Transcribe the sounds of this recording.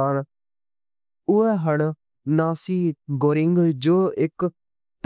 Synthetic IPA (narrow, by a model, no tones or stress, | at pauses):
aːn | ʊɛːɦəɳ | naːsiːɡoːɾɪŋɡd͡ʒoːɪk | t̪